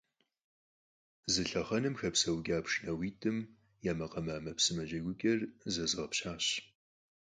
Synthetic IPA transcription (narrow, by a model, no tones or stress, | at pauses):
zɨɬɐχɐnɨmxɐpsɐwɡʲaːpʂnɐwiːtʰʼɨm | jaːmɐqɐmaːmɐpsɨmɐʑɐɡʷʊɡʲʼɐrzɐzɨʁɐpɕaːɕ